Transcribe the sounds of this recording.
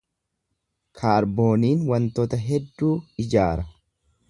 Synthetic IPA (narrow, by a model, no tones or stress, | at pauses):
kʰaːɾbo̞ːniːnwɐnt̪ɔt̪ɐɦɛd̪ːuːɪd͡ʒaːɾɐ